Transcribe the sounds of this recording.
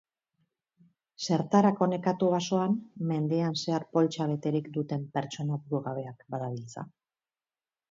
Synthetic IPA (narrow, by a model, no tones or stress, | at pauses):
se̞ɾt̪aɾako̞ne̞kat̪uβaso̞amme̞nd̪e̞anse̞aɾpo̞lt͡ʃaβ̞e̞t̪e̞ɾikd̪ut̪e̞mpe̞ɾt͡ʃo̞naβuɾuɣaβ̞e̞akbaðaβilt͡sa̰